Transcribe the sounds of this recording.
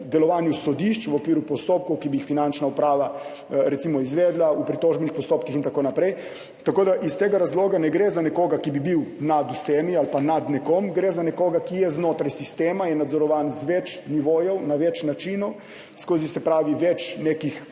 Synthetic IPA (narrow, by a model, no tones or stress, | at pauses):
d̪ɛlɔʋaːnjusɔd̪iʃt͡ʃʋɔkʋiːɾupɔst̪op̚kɔwkibijixfinant͡ʃnaupɾaːʋa | ɾɛt̪simɔizʋɛːd̪laupɾit̪oːʒbɛnixpɔst̪oːp̚kixint̪akoːnapɾɛj | t̪akoːd̪aʔist̪eːɡaɾazloːɡanɛɡɾezanɛkoːɡakibibiwnad̪usɛːmialpanad̪nɛkɔmɡɾeːzanɛkoːɡakijɛznoːt̪ɾajsist̪eːmajɛnad̪zɔɾɔʋaːnzʋɛt͡ʃniʋoːjɔwnaʋɛt͡ʃnat͡ʃinɔw | skoːzisɛpɾaːʋiʋɛt͡ʃneːkix